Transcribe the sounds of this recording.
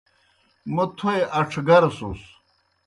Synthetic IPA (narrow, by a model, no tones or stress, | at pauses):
mut̪ʰoeʔɐʈ͡ʂʰɡɐɾsṵs